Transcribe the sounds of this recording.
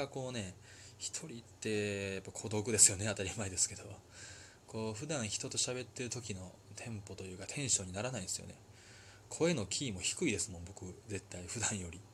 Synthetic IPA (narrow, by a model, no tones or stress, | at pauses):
ako̞ːne̞ | çi̥t̪ʰo̞ɾʲit̪ːe̞japːakʰo̞d̪o̞kɯ̟d̪e̞sɨjo̞ne̞at̪aɾʲimaed̪e̞sɨ̥ke̞d̪o̞ | ko̞ːɸɯ̟d̪ãɰ̃çi̥t̪o̞t̪o̞ɕabe̞t̪ːe̞ɾɯ̟t̪okʲino̞t̪ʰẽ̞mpo̞t̪o̞jɯ̟ːkat̪ʰẽ̞ɰ̃ɕo̞ːɲ̟inaɾanaĩnesɨjo̰ne̞ | kʰo̞e̞no̞kʲʰiːmo̞çi̥kɯ̟id̪e̞sɨmõ̞mbo̞kɯ̟ze̞t̪ːaiɸɯ̟d̪ãɰ̃jo̞ɾʲi